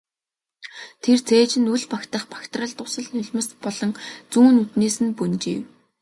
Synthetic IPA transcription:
t̪ʰert͡sʰeːt͡ɕɪ̆nuɮpakt̪ə̆χpḁkt̪rə̆ɮt̪ʊsə̆ɮnʊɮʲmə̆spɔɮɞ̆ŋt͡suːnut̪neːsɘ̆npɵnt͡ɕḭːw

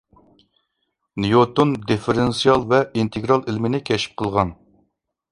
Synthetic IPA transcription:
nijot̪ond̪efeɾensijɑlˠvɛint̪ʰeɡɾɑlˠilmɪnɪkʲʰɛʃi̥p̚qʰəlˠʁɑn

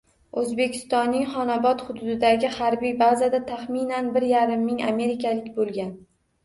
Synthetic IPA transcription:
ɵzbe̞kʲʰɪ̥st̪ɒnːɪŋχɒnabɒt̪χʊd̪ʊd̪ɪd̪aɡʲɪhaɾbijbazad̪at̪ʰaχminanbɪɾjaɾɪmːɪŋa̰me̞ɾɪkʲʰalɪkʲbolˠɡʲan

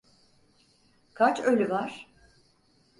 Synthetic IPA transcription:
kʰat͡ʃølʲyvaɾ̥

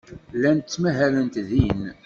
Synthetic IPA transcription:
lːænt͡sːmæɦælənt̪ðin

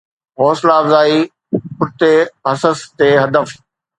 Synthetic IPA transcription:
ɦɔːslaːʋzaːi | pʊɾt̪eɐsəst̪eːɦɐd̪əf

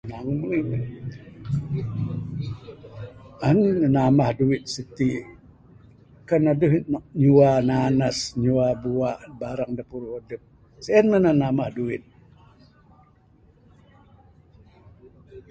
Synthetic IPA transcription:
naŋumlin | annanamahduwit̪̚sit̪i | kanadəɦɲuwananasɲuabuaʔbaɾaŋdapuɾuodəp̚ | seɛnmənanamahduwɪt̪̚

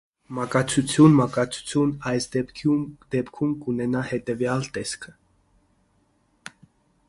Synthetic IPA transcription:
mɑkɑt͡sʰut͡sʰjunmɑkɑt͡sʰu̥t͡sʰjunɑjsʰud̪̥ɛpkʰumkunɛnɑhɛt̪ɛvjɑlt̪ɛskʰə

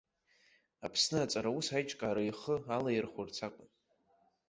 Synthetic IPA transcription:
apʰsnɨat͡sʼaɾausajt͡ʃʼkʼaːɾaiχəalajɪrχʷʊrt͡sʰakʷʼʊn

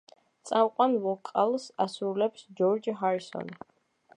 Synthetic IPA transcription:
t̪sʼamqʼwanvɔkʼalˠsasɾulɛpsd͡ʒɔɾd͡ʒɦaɾisɔ̰n

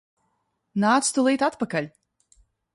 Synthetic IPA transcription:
naːt̪st̪ulˠiːt̪at̪pakalʲ

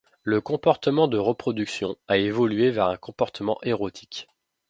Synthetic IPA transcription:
ləkɔ̃pɔʁt̪əmɑ̃d̪əʁəpχɔd̪yksjɔ̃aevɔlɥevɛʁɛ̃kɔ̃pɔʁt̪əmɑ̃ʔeʁot̪ʰi̥k

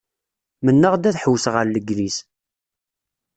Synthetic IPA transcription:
mənːəʁd̪æθħəwːsʁəɾləɡlis

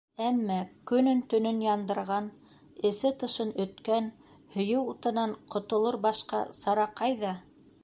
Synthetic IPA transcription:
æmːækɵ̆nɵnt̪ɵ̆nɵnjɑnd̪ɤ̆ɾʁɑn | ɘ̆sɘt̪ɤ̆ʃɤnɵ̆t̪kæn | hɵ̆jɘwut̪ɤ̆nɑɴqʰŏt̪ŏlˠoɾbɑʃqɑ̰sɑɾɑqːɑjðɑ

